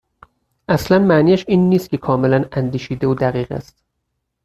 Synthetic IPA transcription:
ʔæslænmæniːæʃiːnːiːst̪kcʰe̞kʰɒːmelænænd̪iːʃiːd̪euːd̪æɣiːɣæ̰st̪

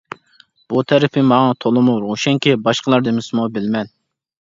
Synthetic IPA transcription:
b̥ut̪ʰɛɾɪpʰɪmɑŋɑt̪ʰolˠɨmuɾoʃɛŋkʲibɑʃqəlˠɑɾd̪ɨmɪsɨmubɪlmɛn

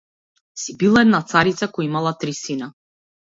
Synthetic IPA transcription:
sibilˠaɛd̪nat̪saɾit̪sakɔjimalˠat̪ɾisina

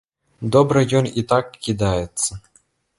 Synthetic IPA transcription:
d̪ɔbɾɨjɔnit̪akːʲid̪ajɛt̪sːɐ

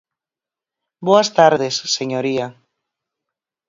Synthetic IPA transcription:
boast̪aɾðesːeɲoɾia

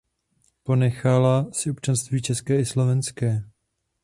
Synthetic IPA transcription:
po̞nɛxalasɪop̚t͡ʃanst̪viːt͡ʃɛskɛːɪslo̞vɛnskɛː

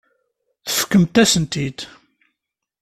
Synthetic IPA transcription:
θə̥fə̥kːəmt̪æsənt̪id̪

